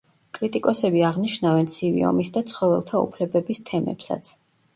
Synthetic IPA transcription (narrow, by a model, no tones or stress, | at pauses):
kʼɾit̪ʼikʼɔsɛbiaʁniʃnavɛnt̪sʰivḭɔ̰misd̪at̪sʰχɔvɛ̰lˠt̪ʰaṵpʰlɛbɛbist̪ʰɛmɛ̰psa̰t̪sʰ